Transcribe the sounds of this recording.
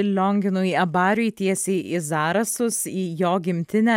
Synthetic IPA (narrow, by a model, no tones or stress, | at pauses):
lʲoŋʲɡʲɪnʊɐbɑːɾʲʊjt̪ʲiɛsʲeːʔɪzɑːɾɐsʊsiːjoːɡʲɪmʲt̪ʲɪnʲæː